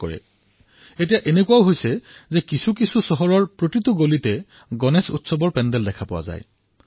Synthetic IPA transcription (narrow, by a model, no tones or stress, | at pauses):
kɔ̰ɹɛ̰ | etijaʔenekuaʊɦojsɛzekisʰukisʰusɔɦɔɹɔɹpɹotituɡolitɛ | ɡɔnesṵtsɔbɔɹpɛndɛldɛkʰapʊwa̰za̰j